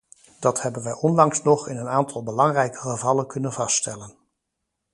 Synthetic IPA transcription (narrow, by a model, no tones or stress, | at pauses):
d̥ɑthɛbənʋəjʔɔnlɑŋsnɔχɪnənaːntʰɑlˠbəlɑŋrɛjkə̥χəvɑlənkɵnənvɑststɛlən